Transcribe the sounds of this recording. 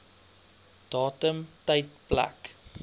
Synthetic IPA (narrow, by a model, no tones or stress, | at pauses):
d̥ɑːtəmtəjtplæ̰k